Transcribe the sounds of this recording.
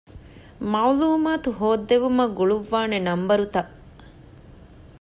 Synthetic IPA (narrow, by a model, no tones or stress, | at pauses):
mawluːmaːt̪uɦoːd̪ːeʋumɐɡuɭuʋːaːnenɐmbɐɾut̪ɐ